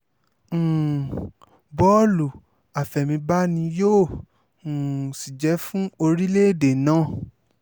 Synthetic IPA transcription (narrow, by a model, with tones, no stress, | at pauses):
bɔ˦lu˨ | a˨fɛ˨mĩ˧ba˦nĩ˧jõː˦˨ | si˨d͡ʒɛ˨˦fũ˦o˧ɾi˦le˦˨de˨nãː˦